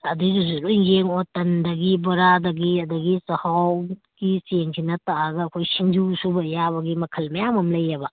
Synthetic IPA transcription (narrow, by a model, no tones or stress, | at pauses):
ɐdiuzuɾuiŋɡeŋotɐndɐɡibɐɾadɐɡiɐdɐɡisɐhaw | ɡiseŋkʰinɐtaaɡɐːkʰojsiŋd͡ʒusubɐjaβɐɡimɐkʰɐlmɐjamɐmlɐjɐbɐ